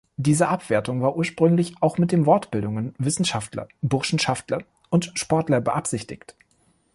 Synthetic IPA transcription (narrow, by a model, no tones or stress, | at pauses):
d̥iːzəʔapv̥eːɐtʊŋvaːɐʔuːɐʃpʁ̥ʏŋlɪçʔaʊxmɪt̚d̥eːnvɔɐtb̥ɪldʊŋənvɪsn̩ʃaftlɐ̰bʊʁʃn̩ʃaftlɐ | ʔʊntʃpɔɐtlɐbəʔapz̥ɪçtɪ̰çt